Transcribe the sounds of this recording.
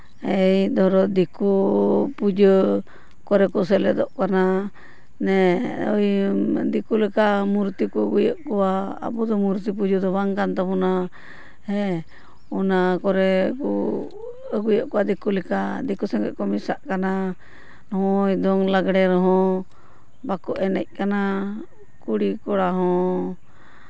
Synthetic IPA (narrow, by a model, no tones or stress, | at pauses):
jd̪ɔɾɔd̪ikupud͡ʒə | kɔɾɛkɔs̬ɛlɛd̪ɔʔkana | nɛɔ̰jd̪ikulɛkamuɾt̪ikɔəɡujəʔkɔwa̰ːbɔd̪ɔmuɾt̪ip̬ud͡ʒəd̪ɔbaŋkant̪apɔna | hɛ | ɔnakɔɾɛkɔ | əɡujɔʔkɔwad̪ikulɛkad̪ikusɛŋɡɛ̰ʔkɔmisaʔkana | nɔɦɔ̃jd̪ɔŋlaɡɽɛɾɔɦɔ̃ | bakɔʔɛnɛ̰c̚kana | kuɽikɔɽaɦɔ̃